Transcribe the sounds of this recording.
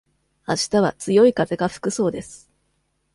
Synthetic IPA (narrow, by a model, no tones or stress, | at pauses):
aɕi̥t̪aβat͡sɨjo̞ikaze̞ɡaɸɯ̟̥kɯ̟so̞ːd̪e̞sɨ̥